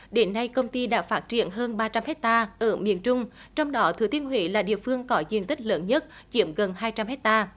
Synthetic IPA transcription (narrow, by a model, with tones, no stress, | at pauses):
ɗe˨˦nːa˧jkə˧wŋ͡mt̪i˧ɗa̰ː˧˥faː˦˥t̚t͡ɕḭ˧˨ənɦəː˧nɓaː˧t͡ɕa˧mhɛ˦˥k̚t̪aː˧ʔəː˧˩mḭ˧˨ənt͡ɕʊ˧ŋ͡mt͡ɕɔ˧wŋ͡mɗɔ˨˦t̪ʰɨ˨˦t̪ʰi˧ənɦwḭ˧˨˦laː˨˩ɗḭ˧˨əfɨ˧əŋkɔ˨˦zḭ˧˩ənt̪ï˦˥k̟̚ləː˨˦nɲə˦˥t̚t͡ɕi˧˩˥əmɣə˨˩nɦaː˧jt͡ɕa˧mhɛ˦˥k̚t̪aː˧